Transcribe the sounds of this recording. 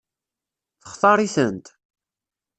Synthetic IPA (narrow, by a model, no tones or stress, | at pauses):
θə̥χθɑɾˤiθənt̪